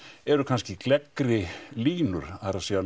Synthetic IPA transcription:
ɛɾʏkʰanscɪklɛkːɾɪliːnʏɾ̥aɾasia

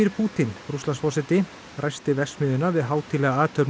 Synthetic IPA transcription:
iɾpʰuːt̪ɪnɾuslansfɔsɛt̪ɪ | rʔajst̪ɪvɛst̪mɪðɪnːavɪðɦaːwt̪ʰɪlɛːɣaaːt̪ʰœɾ

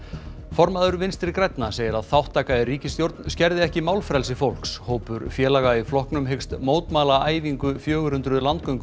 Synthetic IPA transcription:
fɔɾmaðʏɾvɪnst̪ɾɪɾkɾɛjt̪naseːjɪɾaðθawht̪ʰːaːkaðɪriːcɪst̪jowɾt̪nscɛɾðɪɛhcɪmaːwlfɾɛls̬ɪfowl̥kshoːwpʏɾfjɛːlaɣaiflɔhknʏmɦekst̪moːwt̪maːlaaːjviŋkʏfjœːɣʏɾʏnt̪ɾʏðlant̪̚kœɥŋkʏ

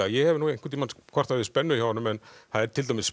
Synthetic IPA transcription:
ajɛhɛvɪnuːejŋ̥kʰaɾt̪imanskʰvḁt̪aɪspɛnːʏçawanʏmɛnθaðɛɾt̪ʰɪlt̪ajmɪs

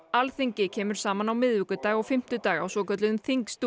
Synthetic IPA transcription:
alθiɲcɪcʰɛːmʏɾ̥saːmanawmɪðvɪkʏt̪aːɣɔɣfɪm̥t̪ʏt̪aːɣa̰wsɔːkœt̪lɪðʏmθiŋkst̪u

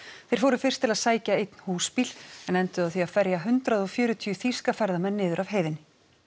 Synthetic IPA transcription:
θejɾ̥foːwɾʏfɪr̥t̪ʰɪlaðsaːjcaejt̪n̥huːspil̥ɛnɛnt̪ʏaðθiaðfɛɾjaɦʏnt̪ɾaðɔɣfjʏːɾʏt̪ʰiʏθiskafɛɾðamɛnːɪːðʏɾavɦeːjðɪnɪ

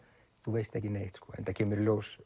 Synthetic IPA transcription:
θuvejst̪ɛhcɪnejht̪skʰɔ̰ːɛ̰nt̪acʰeːmʏɾlows

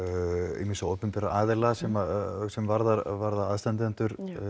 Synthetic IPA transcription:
ḭminsaoːwpʏmpɛɾaaːðɛlasɛmasɛmvaɾðaɾvaɾðaɾaðst̪ɛnt̪ɪɛnt̪ʏɾ̥

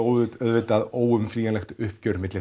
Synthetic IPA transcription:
oːwœðvɪt̪aðoːwʏmfɾiːjanlɛxt̪ʏhpcœɥɾmɪt̪lɪ

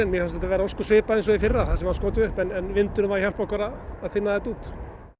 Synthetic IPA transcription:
ɛnmjɛfast̪ɛt̪avɛːɾaɔskʏsvɪːpaejns̬ɔifɪrːaθaðsɛmaɾskoːwt̪ɪʏhpɛnɛnvɪnt̪ʏnʏmvaɾçal̥pahkaɾaːðθɪnːaðɛt̪uːt̪

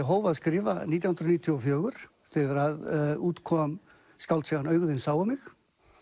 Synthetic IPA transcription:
ɛɦoːwvaðskɾɪːva̰niːt̪jawhnɾɔniːt̪ʰjuɔfjœːɣʏɾ̥ | θɛɣaɾaðuːt̪kʰɔm | skawlt̪sɛɣanœːɥɣðɪnsaːwamɪx

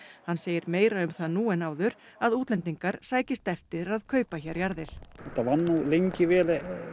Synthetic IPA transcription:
hanːseːjɪɾmeːjɾaʏmθaðnuːɛnaːwðʏɾ̥ | aðuːt̪lɛnt̪iŋkaɾ̥saːjcɪst̪ɛft̪ɪɾaðkʰœːɥpaçɛɾjaɾðɪɾ̥ɛt̪avanːulejɲcɪvɛːlɛ

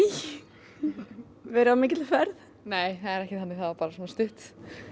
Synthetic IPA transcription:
vɛɾʏamɪːcɪt̪lfɛɾð | neːjθaðɛɾɛhcɪhanːɪθaðapaːɾasɔnast̪ʏht̪

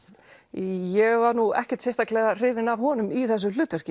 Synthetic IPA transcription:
jɛɣvaɾnuɛ̰hcɛ̥t̪sɛjst̪aklɛɣar̥ɪːvɪnavɦɔːnʏmiθɛs̬ʏl̥ʏːt̪œr̥cɪ

